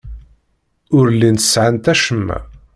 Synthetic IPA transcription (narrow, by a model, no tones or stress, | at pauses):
ʊɾlint̪ə̥sʕant̪æʃəmːæ̰